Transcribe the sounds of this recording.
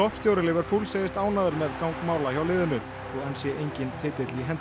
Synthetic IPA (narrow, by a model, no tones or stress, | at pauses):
ɔhpst̪jowɾɪlɪːvɛɾpʰuːlseːjɪst̪aːwnaːðʏɾmɛðkawŋkmaːwlajawlɪːðʏnʏ | θɔɛnsjɛʔejɲcɪnt̪ʰɪːt̪ɪt̪liɦɛnt̪